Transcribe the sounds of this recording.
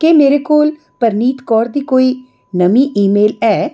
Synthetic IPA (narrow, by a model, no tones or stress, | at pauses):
kemeːɾeːkoːl | pəɾniːt̪kɔːɾd̪iːkoːiː | nəmiːʔiːmeːlɛː